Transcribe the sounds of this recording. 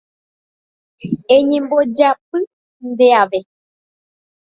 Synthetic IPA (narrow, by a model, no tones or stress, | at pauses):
ẽɲẽmbod͡ʒapɨ | nd̪eaʋe